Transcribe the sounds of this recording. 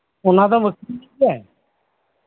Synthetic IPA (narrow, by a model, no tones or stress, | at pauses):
ʊnãːd̪aːməkː | aɛ